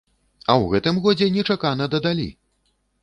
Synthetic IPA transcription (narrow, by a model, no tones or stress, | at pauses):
ɐwɣɛt̪ɨmɣɔd͡zʲɛnʲɛt͡ʂakanɐd̪ɐd̪alʲḭ